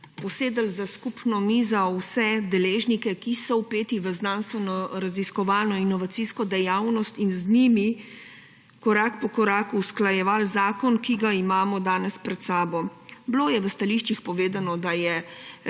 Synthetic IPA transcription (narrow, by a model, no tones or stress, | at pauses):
pɔseːd̪əlzaskupnɔmiːzawsɛd̪ɛleːʒnikɛkisɔwpeːt̪iʋəznaːnst̪ʋɛnɔɾaziskɔʋaːlnɔinɔʋat̪siskɔd̪ɛjawnɔst̪inzniːmi | kɔɾaːkpɔkɔɾaːkuːsklajɛʋalzaːkɔnkiɡaimaːmɔd̪aːnɛspɾɛt̪saːbɔbloːjɛʋəst̪aliːʃt͡ʃixpɔʋeːd̪anɔd̪ajɛ